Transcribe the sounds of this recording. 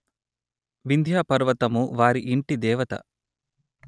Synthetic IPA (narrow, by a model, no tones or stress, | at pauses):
ʋind̪ʱjaːpɐɾʋɐt̪ɐmuʋaːɾiʔiɳʈid̪ɛːʋɐt̪ɐ̰